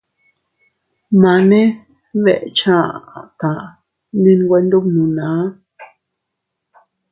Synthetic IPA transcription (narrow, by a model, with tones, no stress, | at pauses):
mã˧nẽ˦ | βe˦˨ʔt͡ʃã˦˨t̪ã˨ | nẽ˦˧n˦ɡʷe˦nd̪o˦bnũ˨nãː˨˦